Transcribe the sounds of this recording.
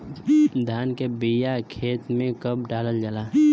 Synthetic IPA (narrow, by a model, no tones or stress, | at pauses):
d̪ʱjaːnkebijakʰeːt̪mẽkəb̚ɖaːləld͡ʒalaː